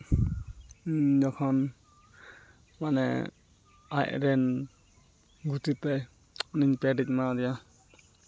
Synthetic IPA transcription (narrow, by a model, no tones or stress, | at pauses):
d͡ʒɔkʰɔn | manɛ̰ | a̰ʔɾɛn | ɡutit̪aj | ɔniɲpɛɖic̚mad̪ija